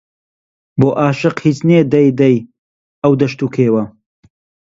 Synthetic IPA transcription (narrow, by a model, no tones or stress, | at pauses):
boːʔaːʃɨqhiːt͡sneːd̪ɐjd̪ɐj | ɐwd̪ɐʃt̪uːkʰeːwɐ